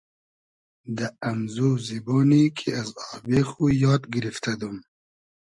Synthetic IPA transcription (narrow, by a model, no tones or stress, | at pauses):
d̪aːmzuzibɔːnikʰiazɑːhbexujɑːt̪ɡiɾift̪ad̪um